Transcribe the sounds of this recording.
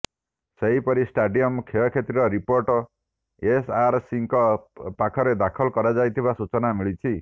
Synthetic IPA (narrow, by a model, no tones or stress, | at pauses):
seɦipɔɾisʈaɖiɔmkʰeɔkʰet̪ɾiɾɔɾipoɾʈɔ | esaɾsiŋkɔpakʰɔɾed̪akʰɔlkɔɾad͡ʒajt̪ʰibasut͡ʃɔnamiɭit͡ʃʰi